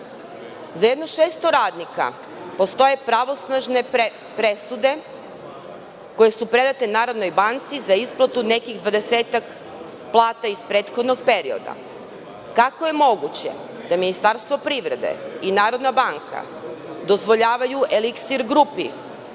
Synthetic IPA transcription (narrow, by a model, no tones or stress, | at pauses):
zajed̪no̞ʃeːst̪o̞ɾaːd̪nika̰ | po̞st̪o̞je̞pɾaʋo̞snaʒne̞ | pɾe̞sud̪e̞ | ko̞je̞supɾe̞d̪at̪enaːɾo̞d̪no̞jbant̪sizaisplˠat̪une̞kiɣd̪ʋad̪e̞seːt̪ak | plˠaːt̪aispɾeːt̪xo̞d̪no̞ɡ̚peɾio̞̰d̪a̰ | kakoje̞mo̞ɡut͡ɕḛ | d̪aminist̪aɾst̪ʋo̞pɾiʋɾe̞d̪e̞̰inaːɾo̞d̪nabaŋka̰ | d̪o̞zʋo̞ʎaːʋajuʔeliksiɾɡɾupḭ